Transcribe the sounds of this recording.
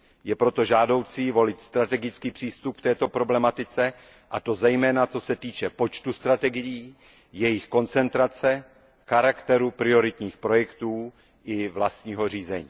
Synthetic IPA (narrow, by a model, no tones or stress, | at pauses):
jɛpɾo̞t̪o̞ʒaːdo̞wt͡sivo̞lɪt̪st̪ɾat̪ɛɡɪt͡skiːpr̝̥iːst̪up̚kt̪ɛːt̪o̞pɾo̞blɛmat̪ɪt͡sɛ | ʔat̪o̞zɛjmɛːnat͡so̞sɛt̪iːt͡ʃɛpo̞t͡ʃt̪ust̪ɾat̪ɛɡɪjiː | jɛjɪxko̞nt͡sɛnt̪ɾat͡sɛ | xaɾakt̪ɛɾupɾɪo̞ɾɪt̪ɲiːxpɾo̞jɛkt̪uː | ʔɪvlast̪ɲiːɦo̞r̝iːzɛɲiː